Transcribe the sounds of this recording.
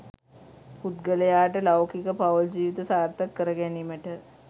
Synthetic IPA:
pʰut̪ɡɐlejaːʈɐlawkikɐpʰawld͡ʒiːʋit̪ɐsaːɾt̪ɐkːɐɾəɡenimeʈʰɐ

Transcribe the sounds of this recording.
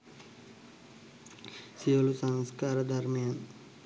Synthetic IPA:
siɐlusɐŋskaːɾɐd̪ʱɐɾmijɐn

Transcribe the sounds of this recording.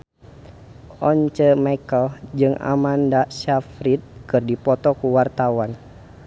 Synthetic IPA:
ʔɔɲt͡ʃəmajkəld͡ʒɨŋa̰mandasafɾit̪̚kɨrdipɔt̪ɔkuwart̪awan

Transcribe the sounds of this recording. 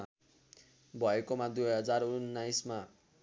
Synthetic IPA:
bʱʌekomad̪uɦʌd͡zarunːajsma

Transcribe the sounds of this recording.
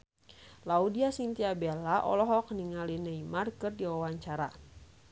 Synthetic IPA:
laudiasint̪iabelaʔɔ̰lɔɦɔk̚niŋalinɛimarkɨrdiwawaɲt͡ʃaɾa

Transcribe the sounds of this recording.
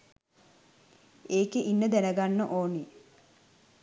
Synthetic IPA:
eːkeʔinːəd̪ænəɡanːəʔoːni

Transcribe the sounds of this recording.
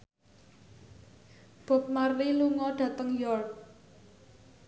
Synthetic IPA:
b̥ɔ̤p̚marwiluŋɔɖ̥ä̤t̪əŋjɔrk̚

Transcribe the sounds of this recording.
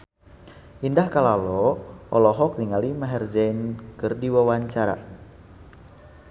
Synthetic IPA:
ʔindahkalalɔʔɔlɔɦɔk̚niŋalimaɦɛrd͡ʒɛnkɨrdiwawaɲt͡ʃaɾa̰

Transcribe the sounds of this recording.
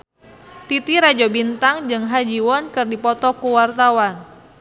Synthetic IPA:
t̪it̪iɾad͡ʒɔbint̪aŋd͡ʒɨŋɦad͡ʒiwɔnkɨrdipɔt̪ɔkuwart̪awan

